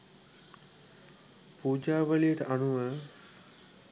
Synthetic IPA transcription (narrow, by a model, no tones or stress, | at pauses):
puːd͡ʒaːʋəlijəʈəʔɐnuʋə